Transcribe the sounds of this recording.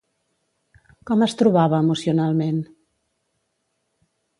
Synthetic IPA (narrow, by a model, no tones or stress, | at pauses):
kɔməst̪ɾuβaβəːmusiunalˠmen